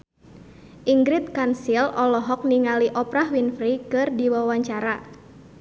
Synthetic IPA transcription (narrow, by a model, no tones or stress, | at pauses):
ʔiŋɡɾɪt̪̚kansilɔlɔɦɔk̚niŋaliʔɔpɾahwinfɾikɨrdiwawaɲt͡ʃaɾa